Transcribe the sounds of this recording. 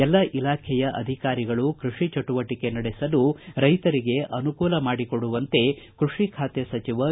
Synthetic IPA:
ɛlːɐʔilaːkʰɛjɐʔɐ̰d̪ʱikaːɾiɡɐɭukɾuʂit͡ʃɐʈuʋɐʈike̞nɐɽɛsɐluɾɐjt̪ɐɾiɡe̞ʔɐnukuːlɐmaːɽikoɽuʋɐnt̪e̞kɾuʂikʰaːt̪esɐt͡ʃiʋɐ

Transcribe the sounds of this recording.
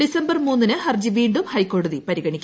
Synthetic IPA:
isɐmbɐrmuːnːinɨhɐrd͡ʑiʋiːɳɖumhɐjkːo̞ːɽɐðipɐɾiɣɐɳikʲː

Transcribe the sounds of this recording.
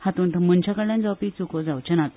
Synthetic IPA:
hat̪ũnt̪əmənt͡ɕakəɽljãnd͡zawpit͡sukod͡zawt͡ɕənat̪

